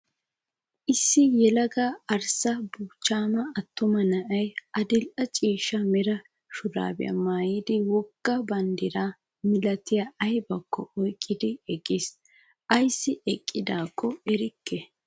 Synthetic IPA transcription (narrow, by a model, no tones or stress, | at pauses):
ʔɪsːɪjɛlɐɡɐɐɾsɐbuːt͡ʃːaːmɐɐt̪ːʊmɐnɐʔɐjʔɐd̪ɪlʔɐt͡ʃʼiːʃɐmɛɾɐ | ʃʊɾa̰ːbɛ̰ɐ̰maːjɪd̪ɪwɔkːɐbɐnd̪ɪɾa | mɪlɐt̪ɪjɐɐjbɐkːɔ̰ʔɔjkʼːɪd̪ɪɛkʼːɪs | ʔɐjsːɪɛkʼːɪd̪aːkːɔɛɾɪkʰːɛ